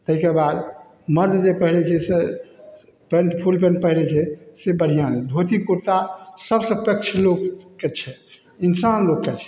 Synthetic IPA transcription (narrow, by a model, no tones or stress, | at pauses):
t̪əɦikebad̪ | məɾd̪d͡ʒepəɦilɛt͡ʃʰɛse | pẽɳʈpʰulpẽɳʈ̚pəɦilɛt͡ʃʰɛsebəɽ̤ʱijand̪ʱot̪ikuɾt̪asəbsə̃pək̚t͡ʃʰlokːet͡ʃʰɛ | insanlokːet͡ʃʰɛ̥